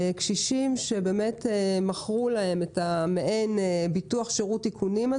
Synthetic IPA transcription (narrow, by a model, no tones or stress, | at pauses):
ekʃiʃimʃe̞be̞ːme̞temaχʁulae̞metameʔenebituaχʃeʁutːikʰunima